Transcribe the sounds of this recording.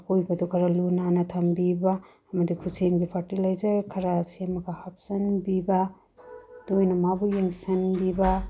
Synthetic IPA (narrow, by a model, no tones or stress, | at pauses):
kojbɐdukʰɐɾɐlunanɐtʰɐmbibaː | mɐdikʰuseŋɡipʰɐɾtilajzɐɾkʰɐɾɐsemɐɡɐhap̚sɐnbibɐ | d̥ojnɐmabujeŋsɐnbibɐ